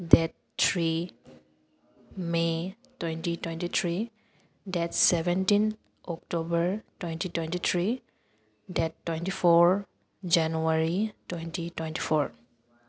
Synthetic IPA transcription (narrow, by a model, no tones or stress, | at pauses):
dɛt̚ːʰ | ɹi | metwẽntitwɛntit̪ʰɹi | dɛtsɛbɛntin | ɔk̚tobəɹtwentitwejntit̪ʰɹi | dɛtːwentifɔɹ | d͡ʒanuaɹitwentitwẽntifʰɔɹ